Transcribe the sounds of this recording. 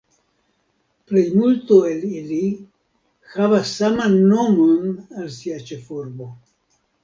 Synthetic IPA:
plejmult̪oelili | xavasːamanːo̞monalsiat͡ʃe̞fuɾbo̞

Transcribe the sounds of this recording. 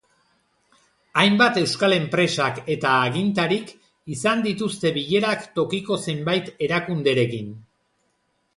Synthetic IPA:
ajmbat̪e̞wskale̞mpɾe̞sake̞t̪aːɣint̪aɾik | isand̪it̪ust̪e̞βiʎe̞ɾakt̪o̞kiko̞se̞mbajt̪e̞ɾakund̪e̞ɾe̞kin

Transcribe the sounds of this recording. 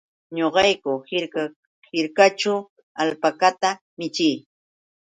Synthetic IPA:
ɲoɢɑjkʊhɪɾka | hɪɾkat͡ʃʊ | alpakat̪a | mɪt͡ʃɪj

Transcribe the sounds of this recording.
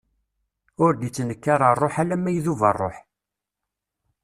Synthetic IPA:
ʊɾd̪it͡sːnəkːaɾˤərˤːoħalæmːæjðuvə̰rˤːo̰ħ

